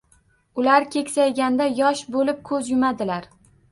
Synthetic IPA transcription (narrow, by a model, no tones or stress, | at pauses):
ʊlaɾkʲʰe̞kʲsajɡʲand̪ajɒʃbolɪp̚kʰɵzjʊmad̪ɪlaɾ